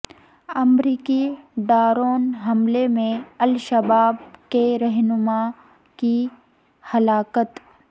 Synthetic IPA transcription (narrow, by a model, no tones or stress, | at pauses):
ɐmɾiːkiɖaːɾoːnɦɐmlemẽɐlʃəbaːbkeɾɐɦnʊma | ki | hɐlaːkət̪